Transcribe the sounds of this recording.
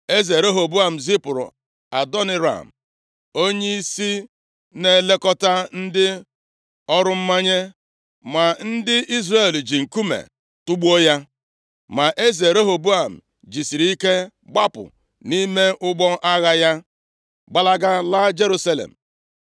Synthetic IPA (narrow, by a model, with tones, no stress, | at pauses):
e˦ze˨ɾo˦ɦo˨bu˦a˨m̩˨zi˦pʊ˨ɾʊ̰˨ | a˨dɔ˦ne˦ɾa̰˨m̩˨ | o˦ɲe˦i˦si˦ | ne˨le˦kɔ˦ta˦n̩˦dɪ˦ | ɔ˦ɾʊ˦m̩˦ma˦ɲe˦ | ma˨n̩˦dɪ˦ʔi˦zre˨ld͡ʒi˨ŋ̩˨ku˦mḛ˨ | tʊ˦ɡ͡bu˦o˦ja˦ | ma˨ʔe˦ze˨ɾo˦ɦo˨bu˦a˨m̩˨ | d͡ʒi˨si˨ɾi˦ke˦ | ɡ͡ba˦pʊ̰˨ | ni˦me˦ʔʊ˦ɡ͡bɔ˦ʔa˦ɣa˦ja˦ | ɡ͡ba˦la˦ɡa˦la˦d͡ʒe˦ɾu˦sa˦lḛ˨m̩˨